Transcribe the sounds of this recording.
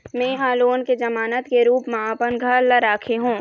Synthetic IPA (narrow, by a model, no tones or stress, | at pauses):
mɛ̃ːɦaːloːnked͡ʒɐmaːnət̪keɾuːpmaaːpənɡʱəɾləɾaːkʰeɦũː